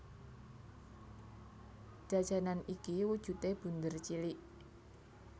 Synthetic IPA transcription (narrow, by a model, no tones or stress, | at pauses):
ʒ̥a̤̥ʒ̥a̤nanikiwud̥ʒ̥ṳt̪eb̥ṳnd̪ərt͡ʃiliʔ